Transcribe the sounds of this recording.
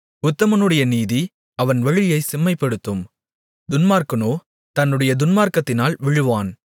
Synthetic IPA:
ʊt̪ːɐmɐnɯɽɐjɐniːði | ɐʋɐnʋɐɻɪjɐɪsɪmːɐɪpːɛɽɯt̪ːɯm | d̪ʊnmaːɾkɐnoː | t̪ɐnːɯɽɐjɐd̪ʊnmaːɾkɐt̪ːɪnaːlʋɪɻɯʋaːn

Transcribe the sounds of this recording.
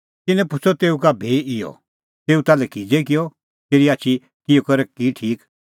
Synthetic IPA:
t̪ɪnɛ̃pʊsɔt̪eːukabʱeːʔɪjɔ̰ | t̪eːut̪aːlɛkid͡zekɪjɔ | t̪eːɾiaːt͡ʃʰi | kɪjokɐɾɛkiʈʰiːk

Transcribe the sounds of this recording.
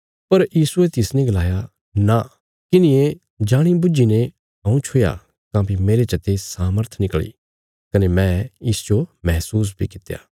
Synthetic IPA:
pɐɾjiːsuet̪ɪsnẽɡɐlaːja | na | kɪnɪ̃e | d͡ʒaːɽ̃ibʊd͡ʒine | ɦɐ̃ũt͡ʃʰʊja̰ | kãːpimeːɾet͡ʃɐt̪esaːməɾt̪ʰnɪkɭḭ | kɐnemɛ̃ɪsd͡ʒomɛɦsuːs̬bʱikɪt̪ːja̰ː

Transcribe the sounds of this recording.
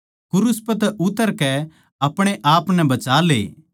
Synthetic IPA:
kʊɾʊspɐt̪ɛʔʊt̪ːəɾkɛ | ɐpɽ̃eʔaːpnɛbɐt͡ʃaːlḛː

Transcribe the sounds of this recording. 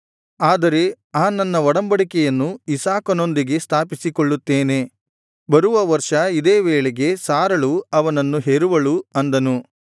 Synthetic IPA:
aːd̪ɐɾe̞ | aːnɐnːɐʋɔɽɐmbɐɽikɛjɐnːuisaːkɐno̞nd̪iɡe̞st̪ʰaːpisikoɭːut̪ːeːne̞ | bɐɾuʋɐʋɐɾʂɐid̪eːʋeːɭeɡe̞saːɾɐɭuɐʋɐnɐnːuɦeɾuʋɐɭuɐnd̪ɐnu

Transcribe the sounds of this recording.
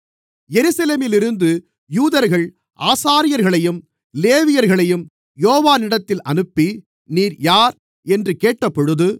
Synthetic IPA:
jɛɾɯsɐleːmɪlɪɾɯnd̪ɯ | juːðɐɾɣɐɭ | ʔaːsaːɾɪjɐɾɣɐɭɐjɯm | leːʋɪjɐɾɣɐɭɐjɯm | joːʋaːnɪɽɐt̪ːɪlʔɐnɯpːi | niːɾjaːɾ | ɛndrɯkeːʈːɐpːɔɻɯðɯ

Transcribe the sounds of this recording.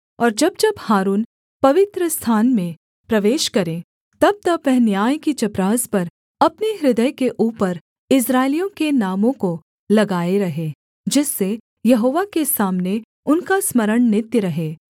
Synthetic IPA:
ɔːɾd͡ʒɐb̚d͡ʒɐbhaːɾuːn | pɐʋɪt̪ɾəst̪ʰaːnmẽ | pɾɐʋeːʃkɐɾẽ | t̪ɐb̚t̪ɐbʋɛɦnjaːjkit͡ʃɐpɾaːspɐɾ | ɐpniɦɾɪd̪əjkeʔuːpəɾ | ɪs̬ɾaːɪlijõkenaːmõko | lɐɡaːeɾɐɦe | d͡ʒɪsːe | jɐɦoːʋakesaːmne | ʊnkasməɾəɽ̃nɪt̪jəɾɐɦeː

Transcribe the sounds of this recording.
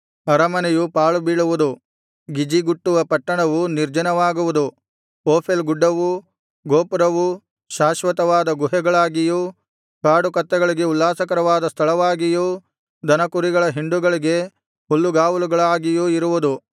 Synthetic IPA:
ɐɾɐmɐnɛjupaːɭubiːɭuʋud̪u | ɡid͡ʒiɡuʈːuʋɐpɐʈːɐɳɐʋuniɾd͡ʒɐnɐʋaːɡuʋud̪u | oːpʰelɡuɖːɐʋu | ɡoːpɐɾɐʋu | ʃaːʃʋɐt̪ɐʋaːd̪ɐɡuɦɛɡɐɭaːɡiju | kaːɽukɐt̪ːɛɡɐɭiɡe̞ulːaːsɐkɐɾɐʋaːd̪ɐst̪ʰɐɭɐʋaːɡiju | d̪ʱɐnɐkuɾiɡɐɭɐɦiɳɖuɡɐɭiɡe̞ | hulːuɡaːʋuluɡɐɭaːɡijuiɾuʋud̪u

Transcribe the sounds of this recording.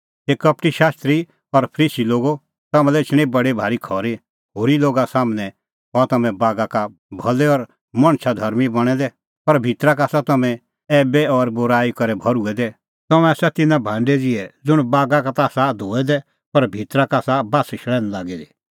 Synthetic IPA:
eːkɐp̚ʈiʃaːst̪ɾi | ɔɾpʰɾiːsiloːɡo | t̪ɐmɛ̃lɛɪt͡ʃʰɽ̃ĩbɐɽibʱaːɾikʰɔːɾi | ɦoːɾiloːɡasaːmnɛ̃ | ɔt̪ɐmɛ̃baːɡaka | bʱɐlɛɔɾ | mɐ̃ɽ̃ʃʰad̪ʱɐɾmibɐɽ̃ɛd̪ɛ | pɐɾbʱit̪ɾakaːsat̪ɐmɛ̃ | ɛːbɛɔɾbʊɾaːikɐɾɛbʱɐɾuɛd̪ɛ | t̪ɐmɛ̃asɛt̪ɪnãbʱãːɳɖɛd͡zɪɛd͡zʊɽ̃baːɡakat̪aːsad̪ʱoːɛd̪ɛ | pɐɾbʱit̪ɾakaːsabaːsʃʰɭɛːñlaːɡɛd̪ɛ

